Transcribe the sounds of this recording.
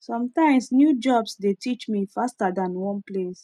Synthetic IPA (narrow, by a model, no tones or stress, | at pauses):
sɔ̃mtãɪ̃msnjud͡ʒɔbsdetʰit͡ʃmifastadãnwɔ̃nples